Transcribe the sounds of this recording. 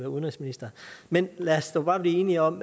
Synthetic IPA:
ʋæɐuðnʁisminisd̥ɐmenlæɐsd̥ob̥ɑ̈ːb̥liːe̝ːniɒ̽m

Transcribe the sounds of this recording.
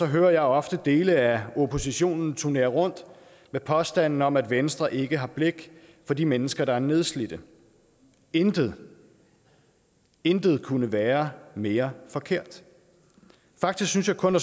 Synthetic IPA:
sɒ̽ɦøːɐjɑ̈ɪɒ̽fd̥əd̥e̝ːləæo̝pʰo̝siɕo̝̰ːnn̩t͡sʰuɐne̝ːɐʁɔ̽n̰d̥ | mepʰɒ̽sd̥æn̰n̩ɒ̽mæd̥ʋensd̥ʁɐʔe̝ɡ̥əɦɑ̈b̥le̝ɡ̥ | fɒ̽d̥imenəsɡ̥ɐɾ̥ɑ̈æɐne̝ð̞ˠslid̥ə | end̥̩ | end̥ð̞̩ˠkʰunəʋæːɐme̝ːɐfɒ̽kʰe̝ɐ̰d̥ | fɑ̈ɡ̥d̥isɡ̥synsjɑ̈ɪkʰɔ̽næ

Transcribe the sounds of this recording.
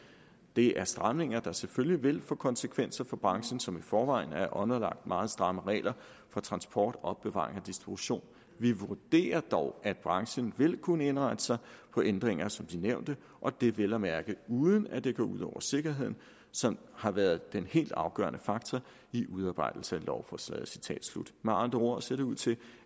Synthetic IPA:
d̥e̝ʔæɐsd̥ʁɑ̈mne̝ŋ̰ɐd̥ɑ̈seføljiʋe̝lfɔːkʰɒ̽nsəkʰʋen̰sɐfɒ̽b̥ʁɑ̈ŋɕən̩sɒ̽mifɒːʋɑ̈ɪ̰n̩æɐʔɒ̽nɐlɑ̈ɡ̥̚d̥mɑ̈ːð̩ˠsd̥ʁɑ̈məʁɛ̰ːlʔɐ | fɒ̽t͡sʰʁɑ̈nsb̥ɒ̰ːd̥ɒ̽b̥ːeʋɑ̰̈ːʁeŋɒd̥isd̥ʁib̥uɕo̝̰ːn | ʋiʋuɐd̥e̝̰ːɐd̥ɒʊʔæd̥̚b̥ʁɑ̈ŋɕənʋe̝lkʰunəe̝nʁɑ̈ɪd̥ə̥sɑ̈ɪpʰɒ̽ʔend̥ʁeŋɐsɒ̽md̥ineʊ̰nd̥ə | ʔɒ̽d̥e̝ʋelɐmæɐɡ̥əuːðˠən̩æd̥e̝ɡ̥ɔ̰ːuð̞̰ˠɒʊɐse̝ɡ̥ɐɦe̝ð̰ˠn̩ | sɒ̽m | hɑ̈ʋæːɐðˠd̥enhe̝̰ːld̥ɑ̈ʊɡ̥ɶ̰ːɐnʔəfɑ̈ɡ̥̚t͡sʰɒ | iʔuðˠɑːb̥ɑ̈ɪd̥l̩səælʔɒʊfɒslɛ̰ːð̩ˠsit͡sʰɛ̰ːd̥slṵd̥mɑːnd̥oɐ̰se̝ɐd̥euð̰ˠt͡sʰe̝l

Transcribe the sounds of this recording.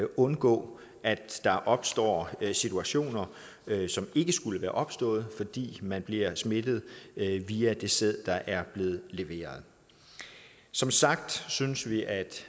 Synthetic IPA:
ʔɔ̽nɡ̥ɔ̰̽ː | ʔæd̥ːɑ̈ʔɒ̽b̥sd̥ɒ̰ːsit͡sʰuæɕo̝̰ːnɐ | sɒ̽me̝ɡ̥əsɡ̥uləʋæːɐʔɒ̽b̥sd̥ɔ̰̽ːð̞̩ˠfɒ̽d̥ḭːmænb̥liɐsme̝d̥ð̞̩ˠʋiːæd̥e̝seð̰ˠd̥ɑ̈ʔæɐb̥le̝ːð̩ˠle̝ʋe̝̰ːɐð̞̩ˠ | sɒ̽msɑ̈ɡ̥̚d̥synsʋiʔæd̥

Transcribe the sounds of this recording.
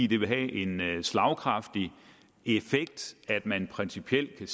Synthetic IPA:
ḭːd̥e̝ʋe̝ɦæʔe̝nslɑ̈ʊkʰʁɑ̈fd̥i | e̝feɡ̥̚d̥æd̥mænpʰʁɛnsipʰiel̰d̥̚kʰæs

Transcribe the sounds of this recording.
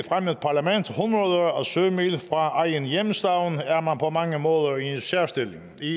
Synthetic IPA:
fʁaməðˠpʰɑ̈læmen̰d̥hunʁɐðˠɐɒ̽sømilfʁɑ̈ɑɪənjemsd̥ɑ̈ʊn̩æɐmænpʰɒ̽mɑ̈ŋəmɔ̽ːð̞ˠɐiensæɐ̰sd̥e̝lɪŋ | i

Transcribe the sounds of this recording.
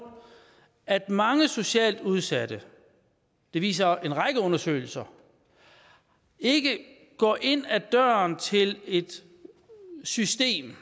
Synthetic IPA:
æd̥mɑ̈ŋəso̝ɕɛ̰ːld̥uð̞ˠsæd̥ə | d̥e̝ʋḭːs̬ɐe̝nʁɑ̈ɡ̥əɔ̽nɐsø̰ːɪl̩sɐ | e̝ɡ̥ə | ɡ̥ɒ̰ːʔe̝n̰æd̥ɶːɐnt͡sʰe̝le̝d̥ | sysd̥e̝̰ːm

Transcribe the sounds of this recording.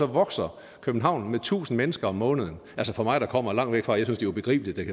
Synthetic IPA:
ɒ̽ʋɒ̽ɡ̥sɐ | kʰøb̥n̩ɦɑ̈ʊ̰nmet͡sʰṵːsn̩menəsɡ̥ɐɒ̽mːɔ̽ːnəð̞̩ˠn̩ʔælsəfɒ̽mɑ̈ɪɾ̥ɑ̈kʰɒ̽m̰ɐlɑ̈ŋ̰ʋeɡ̥fʁɑ̈ːjaɪsynsd̥ejob̥e̝ɡ̥ʁḭːb̥əlid̥ːekʰ

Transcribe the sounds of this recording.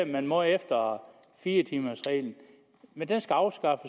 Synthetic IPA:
mænmɔefd̥ɐ | fiːɐt͡sʰiːmɐsʁɛ̰ːln̩ | mend̥ensɡ̥æɑ̈ʊsɡ̥ɑ̈fə

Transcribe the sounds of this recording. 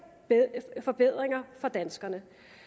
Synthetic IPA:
fɒ̽b̥e̝ð̰ˠʁeŋɐfɒ̽d̥ænsɡ̥ɐnə

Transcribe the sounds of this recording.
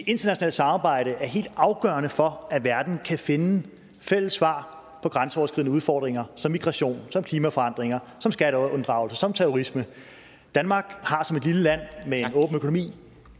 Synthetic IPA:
d̥e̝ʔe̝nd̥ɐnæɕo̝nɛ̰ːl̥əsɑ̈mɑ̈ːb̥ɑ̈ɪ̰ɾ̥əʔæɐɦe̝̰ːld̥ɑ̈ʊɡ̥ɶɐnəfɒ̽æʋæɐd̥n̩kʰæfe̝nə | fel̰əsʋɑ̰̈ː | pʰɒ̽ɡ̥ʁɑ̈nsəɒʊɐsɡ̥iðˠnəuðˠfɒːd̥ʁeŋɐsɒ̽mːiɡ̥ʁɑ̈ɕo̝̰ːnsɒ̽mkʰliːmæfɒ̽ɑ̈n̰d̥ʁeŋɐsɒ̽msɡ̥æɾəɔnd̥ʁɑ̈ʊl̩sɐsɒ̽mt͡sʰeʁoʁismə | d̥ænmɑ̈ːɡ̥hɑ̈sɒ̽me̝d̥liləlæn̰meenɔ̽ːb̥n̩økʰo̝no̝mḭː

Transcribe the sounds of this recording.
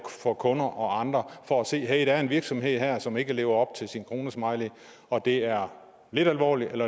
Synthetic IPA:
fɒ̽kʰɔ̽nɐʔɒ̽ɑ̈nd̥ʁɐfɒ̽æse̝̰ːɦeɪd̥ææɐe̝nʋiɐɡ̥sɒ̽mɦe̝ð̞̰ˠɦæɐ̰sɒ̽me̝ɡ̥əle̝ːʊɐɒ̽b̥̚t͡sʰe̝lsinkʰʁo̝ːnəsmɑ̈ɪle | ɒ̽d̥e̝æɐɐ | le̝ɾ̥ælʋɒ̰ːlielɐ

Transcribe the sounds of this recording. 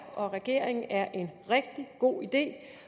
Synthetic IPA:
ɒ̽ʁɛɡ̥e̝ɐ̰eŋn̩ʔæɐʔe̝nʁɛɡ̥̚d̥iɡ̥o̝̰ːid̥e̝̰ː

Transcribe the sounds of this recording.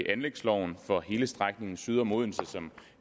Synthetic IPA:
ʔænleɡ̥slɒʊn̩fɒ̽he̝ːləsd̥ʁaɡ̥ne̝ŋn̩syð̞ˠɒmo̝ð̞ˠm̩səsɒ̽m

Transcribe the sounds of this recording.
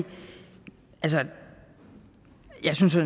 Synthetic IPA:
ʔælsə | jɑ̈ɪsyns

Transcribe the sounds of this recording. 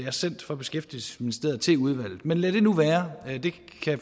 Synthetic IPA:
æɐsen̰d̥fɒ̽b̥e̝sɡ̥efd̥il̩sə̥sminisd̥e̝ɐt͡sʰe̝uð̞ˠʋæl̰ð̩ˠmenlæɾ̥e̝nuʋæːɐd̥e̝ | kʰæ

